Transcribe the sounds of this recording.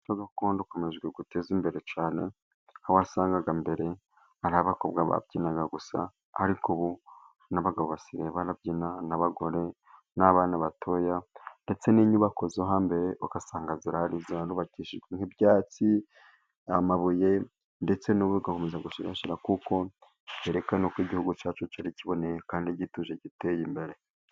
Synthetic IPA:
t͡ʃoɡakoːndoko̞me̞ʒɡweɡute̞zimbe̞ɾe̞t͡ʃaːne̞̰ | hawasaːŋɡaɡambe̞ɾe̞ | aɾaβakobɡaβa̰bɟinaɡaɡusa̰ː | ɾikuβu | naβaɡaβoβasiɾeβanab̚iːnanaβaɡo̞ɾe̞ | naβaːnaβatʰo̞ːjande̞t͡se̞niɲuβako̞zoɦaːmbe̞ɾe̞ʔokasaːŋɡaziɾahaɾizaɾuːβaciːʃiʒɡweŋhibjaːt͡si | amaβuje̞ | nde̞t͡se̞nuβuɡakomezaɡuʃiɾa̰ʃiɾakuko̞ | eɾe̞kanokiɟihuɡut͡ʃaːt͡ʃot͡ʃaɾiciβo̞nejekaːndiɟituʒeɟite̞jimbe̞ɾe̞

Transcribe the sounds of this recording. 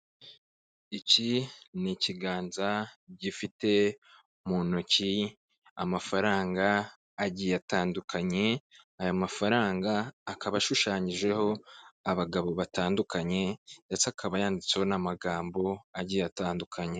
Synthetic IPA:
iciniciɡaːnzaɟifite̞ | munuci | a̰mafaɾaːŋɡaː | ɟiːataːndukʰaɲe̞ajamafaɾaːŋɡaːkaβaʃuʃaːɲiʒe̞ho̞aβaɡaβo̞βataːndukaɲe̞jat͡sakʰaβajaːndit͡se̞ho̞namaɡaːmbo̞aɟijataːndukʰaɲe̞

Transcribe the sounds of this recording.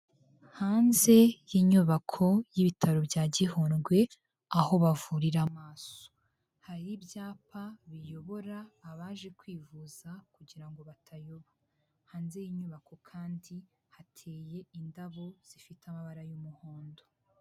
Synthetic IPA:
haːnze̞jiːɲuβakʰo̞jiβitʰaɾo̞bɟaːɟiɦoːnɡwe̞ | aho̞βavuɾiɾamaːso̥ | haɾibjaːpʰaβijo̞βo̞ɾaːβaːʒe̞kwiːvuz̥akuɟiɾaŋɡo̞βatʰajoβa | haːnze̞jiːɲuβako̞kʰaːndi | hatʰe̞ːje̞indaβo̞z̥ifitamaβaɾajumuhoːndo

